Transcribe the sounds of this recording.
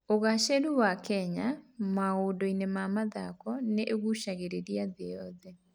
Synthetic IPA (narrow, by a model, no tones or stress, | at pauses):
oɣaʃeɾuwakɛɲamaodɔinemamaða̰kɔneʔeɣuʃaɣeɾeɾiaðeɔðɛ